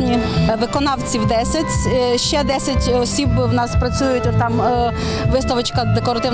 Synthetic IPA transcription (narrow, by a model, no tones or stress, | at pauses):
nʲiʋɪkɔnawt͡sʲiwd̪ɛsʲɐtʲʃɛd̪ɛsʲɐtʲɔsʲibwnaspɾɐt͡sʲujʊtʲt̪am | ʋɪst̪ɐʋɐt͡ʃkɐd̪ɛkɔɾɐt̪ɪ